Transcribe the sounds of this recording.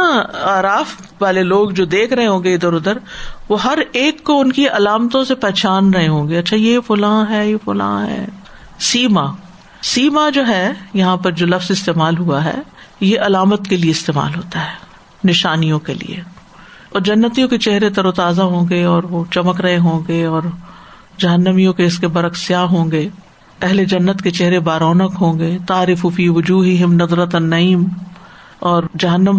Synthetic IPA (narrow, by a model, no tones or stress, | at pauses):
ãaːɾaːf | ʋaːleloːɡd͡ʒoːd̪eːkʰɾɐɦẽɦõːɡeɪd̪əɾʊd̪əɾʋoːɦɐɾeːkːoʊnkiɐlaːmt̪õsepɛːt͡ʃaːnɾɐɦeɦõːŋɡeɐtːʃʰajefʊlãːɦɛːjefʊlã̰ːɦɛ̰ː | siːma | siːmad͡ʒoːɦɛːjɐɦãpɐɾd͡ʒoːlɐfzɪst̪eːmaːlɦuaɦɛ̰ːjeʔɐlaːmət̪kelieɪst̪eːma̰ːlɦoːt̪aɦɛː | nɪʃaːnijõkḛlḭḛ | ɔːɾd͡ʒɐnːət̪ijõket͡ʃɛɦɾet̪ɐɾoːt̪aːzaɦõːɡeɔːɾʋot͡ʃɐməkɾɐɦeɦõːɡeɔːɾ | d͡ʒɐɦənːəmijõkeɪskebɐɾəksijaɦõːŋɡeː | pɛɦled͡ʒɐnːət̪ket͡ʃɛɦɾebaːɾɔːnəkɦõːŋɡeːt̪aːɾɪfufiːʋʊd͡ʒuːɦɪɦɪmnɐd̪ɾət̪ɐnːɐiːm | ɔːɾd͡ʒɐɦənːəm